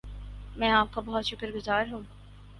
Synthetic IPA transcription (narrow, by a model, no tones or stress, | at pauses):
mɛ̃ːaːp̚kobɔɦʊt̪ʃʊkəɾɡʊzaːɾɦũː